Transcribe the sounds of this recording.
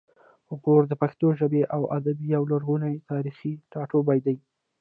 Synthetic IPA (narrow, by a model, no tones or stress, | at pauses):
ʊɡoɾd̪əpaxt̪oʒəbeʔawad̪abijawlaɾɣunajt̪ɑɾixiʈɑʈobajd̪aj